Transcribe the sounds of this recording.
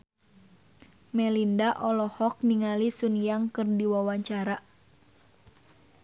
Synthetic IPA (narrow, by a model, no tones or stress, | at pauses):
mɛlindaʔɔlɔhɔk̚niŋalisunjaŋkɨrdiwawaɲt͡ʃaɾa